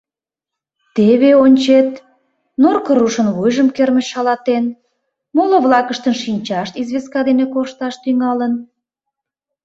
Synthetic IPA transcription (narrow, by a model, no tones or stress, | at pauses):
t̪eβeonʲt͡ɕet̪ | norkəɾuʃənβujʒəmkerməʃɑlɑt̪en | molə̆βlɑkəʃt̪ənʃinʲt͡ɕɑʃt̪izβeskɑd̪enekoʃt̪ɑʃt̪yŋɑlən